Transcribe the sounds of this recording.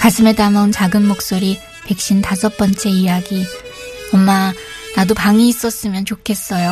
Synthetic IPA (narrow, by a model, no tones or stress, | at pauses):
kasʰɯme̞damaunt͡ɕaɡɯnmok̚s͈oɾi | pe̞k̚ɕ͈intasʰʌp͈ʌnt͡ɕ͈e̞ijaɡi | ʌmma | nadopaŋiːs͈ʌs͈ɯmjʌnt͡ɕokʰe̞s͈ʌjo